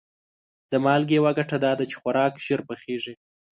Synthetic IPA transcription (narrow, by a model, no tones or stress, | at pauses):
d̪̥əmɑlɡejwaɡaʈad̪ɑd̪at͡ʃe̥xwaɾɑkʒ̥əɾpəxeʐi